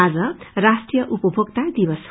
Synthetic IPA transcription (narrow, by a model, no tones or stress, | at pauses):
ad͡zʌrasʈrijʌʔupʌbʱokt̪ad̪ibʌs